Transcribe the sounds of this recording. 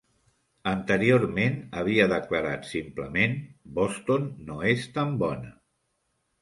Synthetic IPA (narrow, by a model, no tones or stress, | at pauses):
ənt̪əɾioɾmenəβ̞iəðəkləɾat̪simpləmenbost̪onːoest̪ambɔnə